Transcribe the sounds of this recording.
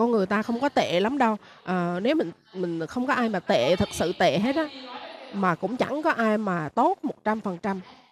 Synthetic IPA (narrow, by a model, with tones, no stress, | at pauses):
kɔ˧nŋɨ˨˩əjt̪aː˧xə˧wŋ͡mkɔ˨˦t̪ḛ˧˨la˨˦mɗə˧w | ʔəː˨˩ne˨˦wmï˨˩ŋ̟ | mï˨˩ŋ̟xə˧wŋ͡mkɔ˨˦ʔaː˧jmaː˨˩t̪ḛ˧˨t̪ʰɨ˨˩k̚sɨ̰˧˨t̪ḛ˧˨ɦe˦˥t̚ɔ˨˦maː˨˩kʊ̰˧˥ŋ͡mt͡ɕa̰˧˩ŋkɔ˨˦ʔaː˧jmaː˨˩t̪o˦˥t̚mo˨˩t̚t͡ɕa˧mfə˨˩nt͡ɕa˧m